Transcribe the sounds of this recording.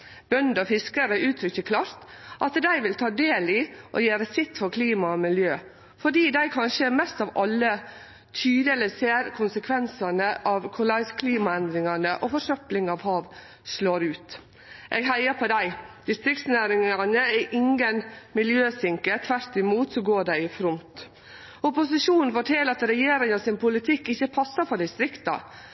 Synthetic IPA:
b̥œnd̪ɔfɪskəɾəʔʉːt̪ʰɾʏçəkʰlɑːɾt̪ʔɑt̪d̪æɪʋɪlt̪ʰɑːd̪eːlɪʔɔ̰jeːɾəsɪt̪ːfɔɾkʰliːmɑɔmɪljøː | fɔɖiːd̪æɪkʰɑnʃəɛɾmɛst̪ɑʋɑlːə | t̪ʰyːd̪əɛləseːɾkʰʊnsəkʰʋɛnsɑnəʔɑʋkʰʊlɑɪskʰliːmɑɛnd̪ɾɪŋɑnəʔɔfɔʂœplɪŋɑʋhɑːʋ | sloːɾʉːt̪ | ʔɛːɡɦæɪəpʰɔd̪æɪd̪̥ɪst̪ɾɪk̚t̪snæːɾɪŋɑnəæʔɪŋɡənmɪljøːsɪŋkət̪ʰʋæɾt̪ɪmuːt̪sɔɡoːɖæɪɪfɾʊnt̪ | ʊpʊsɪʂuːnn̩fɔʈʰeːləɾɑt̪ɾɛjeːɾɪŋɑsɪnpʰʊlɪt̪ʰɪkːɪçːəpʰɑsːɑɾfɔɖ̪ɪst̪ɾɪkt̪ɑ̰

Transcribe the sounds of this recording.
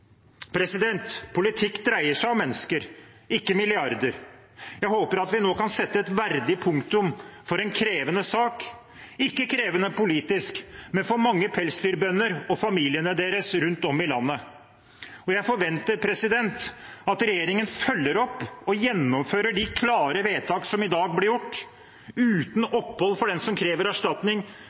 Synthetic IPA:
pʰɾɛsɪd̪ɛnt̪pʰʊlɪt̪ʰɪkːd̪ɾæɪəʂæɪɑʋmɛnːəskəɾ | ɪkːəmɪlɪɑɾd̪əɾ | jæɪɦoːpəɾɑt̪ʋɪnoːkɑnsɛt̪ːəɛt̪ʋæɾd̪ɪpʰʊŋkt̪ʉmfɔɾɛnkʰɾeːʋənəsɑːk | ɪkːəkʰɾeːʋənəpʊliːt̪ɪskmɛnfɔɾmɑŋːəpʰɛlsd̪yːɾbœnːəɾɔfɑmiːlɪənəd̪eːɾəsɾʉnt̪ɔmːɪlɑnːə | ɔjæɪfɔɾʋɛnt̪əɾpʰɾɛsɪd̪ɛnt̪ɑt̪ɾɛjeːɾɪŋənfœlːəɾɔpːɔjɛnːɔmføːɾəɖɪkʰlɑːɾəʋeːt̪ʰɑːksɔmɪd̪ɑːɡ̚blɪɾjʊʈː | ʉːt̪n̩ɔpːhɔlːfɔɖɛnsɔmkʰɾeːʋəɾæʂʈɑt̪nɪŋ

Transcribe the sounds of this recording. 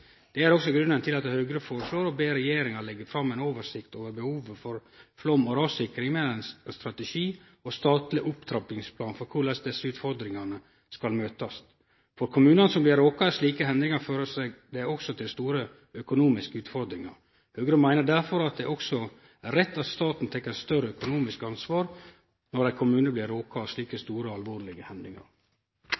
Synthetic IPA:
d̪̥ɛæɾɔksɔɡɾʉnənt̪ʰɪlɑt̪høɡəɾəfoːɾəʂloːɾɔbeːɾɛjeːɾɪŋɑɾɭɛɡːəɾfɾɑmːɛnoːʋəʂɪkt̪oːʋəɾbəhuːʋəfɔɾflɔmːɔɾɑːsɪkɾɪŋmɛlɛnsst̪ɾɑt̪ɛʃiː | ɔst̪ɑːt̪lɪʔʊpt̪ʰɾɑpɪŋspʰlɑːnfɔɾkʰʊɾlɛsd̪ɛsːəʉːt̪fɔɾd̪ɾɪŋɑnə | skɑlmøːt̪ɑs | fɔɾkʰʊmʉːnənəsɔmblɪɾoːkɑsliːkəɦɛnd̪ɪŋɑɾføːɾəsɛd̪ɛɔksɔt̪ʰɪlst̪uːɾə | œkʊnuːmɪskəʉːt̪fɔɾd̪ɾɪŋɑ̰ɾ | høːɡəɾəmæɪnəd̪æɾfɔɾɑt̪̚d̪ɛʔɔksɔ | æɾːɛt̪ːɑt̪st̪ɑːt̪n̩t̪ʰɛkːəɾst̪œɾəœkʊnuːmɪskɑnsʋɑːɾ | nɔɾd̪æɪkʰʊmʉːnəblɪɾoːkɑsliːkəst̪uːɾəɑlʋoːɾlɪɡəhɛnd̪lɪŋɑ̰ɾ

